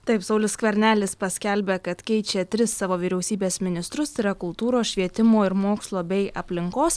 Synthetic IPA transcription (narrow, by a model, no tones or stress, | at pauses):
t̪ɐɪpsɐʊlʲɪskʋʲɛɾʲnʲæːlʲɪspɐsʲkʲælʲbʲeːkɐt̪kʲɛɪt͡ʃʲet̪ʲɾʲɪsːɑːʋoːʋʲiːɾʲɛʊsʲiːbʲeːsmʲɪnʲɪst̪ɾʊst̪ɐɪɾɐkʊlˠt̪uːɾoːsʃʲʋʲiɛt̪ʲɪmoːɪɾmoːkslˠoːbʲɛɪɐpʲlʲɪŋkoːs